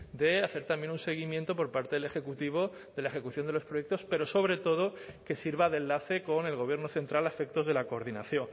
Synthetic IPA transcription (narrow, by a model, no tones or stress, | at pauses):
d̪e̞aθe̞ɾt̪ambje̞nunse̞ɣ̞imjent̪opo̞ɾpaɾt̪eðele̞xe̞kut̪iβ̞o̞ | ðe̞lae̞xe̞kuθjonelo̞spɾo̞jek̚t̪o̞spe̞ɾo̞so̞β̞ɾe̞t̪o̞ð̞o̞ke̞siɾβaðenlaθe̞ko̞ne̞lɣo̞β̞je̞ɾnoθe̞nt̪ɾalafe̞k̚t̪o̞zðe̞lako̞ːɾðinaθjo̞ŋ